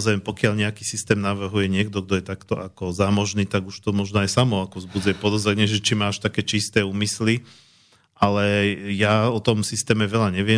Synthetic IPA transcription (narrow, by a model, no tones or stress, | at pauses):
zampɔkjaʎɲɛakiːsist̪ɛːmnaʋr̩ɦujɛɲɪɛɡd̪ɔɡd̪ɔjɛt̪akt̪ɔakɔzamɔʒniːt̪aɡuʃt̪ɔmɔʒnɔajsamɔakɔzbud͡zjɛpɔd̪ɔzɾɛɲɛʒɛt͡ʃimaːʃt̪akɛːt͡ʃist̪ɛːuːmisli | ʔalɛjaɔt̪ɔmsist̪ɛːmɛʋɛʎaɲɛʋɪɛ